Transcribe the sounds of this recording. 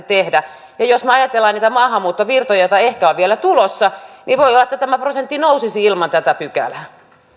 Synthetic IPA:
t̪ehdæ | jɑjosmeɑjɑt̪elːɑniːt̪æmɑːhɑmːuːt̪ːoʋirt̪ojɑjot̪ɑehkæoʋʋielæt̪ulosːɑniʋoiolːɑet̪ːæt̪æmæprosent̪ːinousisiilmɑnt̪æt̪æpykæ̰læ

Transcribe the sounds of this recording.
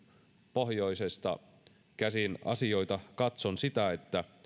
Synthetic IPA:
po̞hjo̞isest̪ɑ̰ | kæsinɑ̰sio̞jt̪ɑkɑt̪sonsit̪æe̞t̪ːæ

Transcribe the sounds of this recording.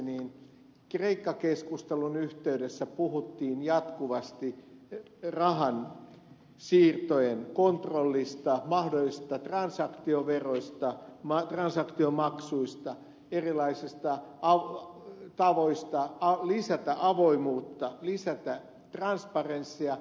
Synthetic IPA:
niːn | kreikːɑkeskust̪elunyht̪eydesːæpuhut̪ːiːnjɑt̪kuʋɑst̪i | rɑɦɑn | siːrt̪ojenkont̪rolːist̪ɑmɑhdolːisi̥st̪ɑt̪rɑnsɑkt̪ioʋeroist̪ɑmɑt̪rɑnsɑkt̪iomɑksuist̪ɑ | erilɑisist̪ɑɑ | t̪ɑʋoist̪ɑɑlisæt̪æʔɑʋoimuːt̪ːɑlisæt̪æ | t̪rɑnspɑrensːiɑ

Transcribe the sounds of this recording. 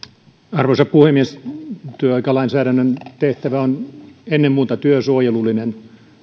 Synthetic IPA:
ɑrʋosɑppuhemːiest̪yøɑikɑlɑinsæːɾænːønt̪eht̪æʋæonenːemmuːt̪ɑt̪yøsuojelulːinen

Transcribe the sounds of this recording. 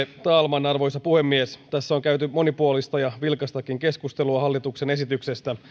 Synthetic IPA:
t̪ɑːlmɑnɑrʋo̞jsɑpuhe̞mːiest̪æsːoŋkæyt̪ymo̞nipuolist̪ɑjɑʋilkɑst̪ɑkiŋke̞skust̪e̞luɑɦɑlːit̪ukse̞ne̞sit̪ykse̞st̪æ

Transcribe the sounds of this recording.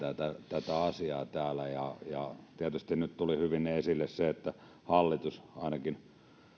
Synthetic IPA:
æt̪æt̪æt̪æɑsiɑːt̪æːlæjɑjɑt̪iæt̪yst̪innyt̪t̪ulihyʋinesilːesseet̪ːæ | hɑlːit̪usɑˑinɑkin

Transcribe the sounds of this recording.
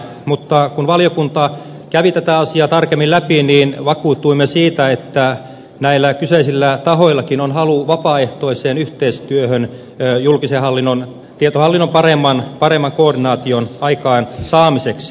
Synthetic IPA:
mut̪ːɑkunʋɑljokunt̪ɑ | kæʋit̪æt̪æɑsiɑːt̪ɑrkemːilæpiniːnʋɑkuːt̪ːˑuimːesiːt̪æet̪ːæ | næilːækyseisilːæt̪ɑɦoilːɑkinonhɑluʋɑpɑːeht̪o̞iseːnyht̪eist̪yøhønː | julkisehɑlːinːon | t̪iet̪ohɑlːinːompɑremːɑnpɑremːɑŋkoːrdinɑːt̪ionɑikɑːnsɑːmiseks

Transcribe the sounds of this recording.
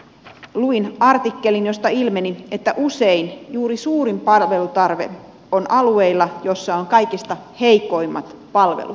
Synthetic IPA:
luinɑrt̪ikːe̞linjo̞st̪ɑilme̞nie̞t̪ːæʔuse̞injuːɾisuːɾimpɑlʋe̞lut̪ɑrʋe̞̰ | onɑlue̞ilːɑjo̞sːɑoŋkɑjkist̪ɑhe̞jko̞imːɑt̪pɑlʋḛlṵt̪

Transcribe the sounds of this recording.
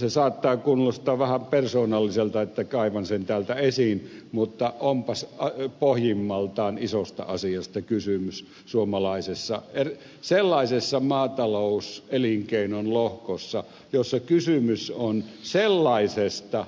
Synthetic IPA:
sesɑːt̪ːɑːkunːost̪ɑːʋʋæhæmpersoːnɑlːiselt̪ɑet̪ːækɑˑiʋɑnsent̪æːlt̪æesinmut̪ːɑʔompɑsɑpohjimːɑlt̪ɑːnisost̪ɑ̰ɑsijɑst̪ɑkysymys | suomɑlɑˑisesːɑ̰er | selːɑisesːɑmɑːt̪ɑloˑuseliŋkeˑinonlohkosːɑ | josːɑkysymysonselːɑisest̪ɑ

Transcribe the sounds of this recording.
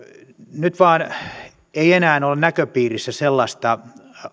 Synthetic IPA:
nyt̪ʋɑːn | eienæːnolenækøpiːrisːæselːɑst̪ɑ

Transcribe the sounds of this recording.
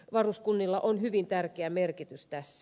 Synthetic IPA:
ʋɑruskunːilːɑʔonhyʋint̪ærkeæmerkit̪yst̪æsːæ

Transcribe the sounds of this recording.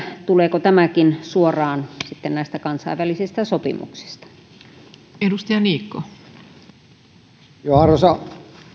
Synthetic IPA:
t̪uleːkot̪æmækinsuorɑːnsit̪ːennæˑist̪ækɑnsɑ̰iʋælisist̪ɑsopḭmṵksi̥st̪ɑ̥ | edust̪ijɑniːkːo | johɑrosɑ

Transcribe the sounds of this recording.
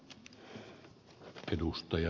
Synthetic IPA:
ʔedust̪ɑjɑ

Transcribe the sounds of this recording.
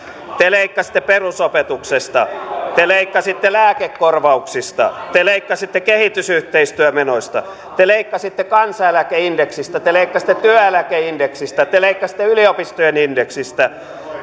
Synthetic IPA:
t̪eleikːɑsi̥t̪ːˑeperusopet̪uksest̪ɑt̪eleikːɑsit̪ːelæːkekːorʋɑuksist̪ɑ̰t̪eleikːɑsit̪ːekehit̪ysyht̪eist̪yømenosʲt̪ɑ | t̪eleikːɑsit̪ːekɑnsɑelækeindeksist̪æt̪eleikːɑsi̥t̪ːˑet̪yæelækeindeksist̪æt̪eleikːɑsi̥t̪ːˑeyliopist̪ojenindeksist̪æ

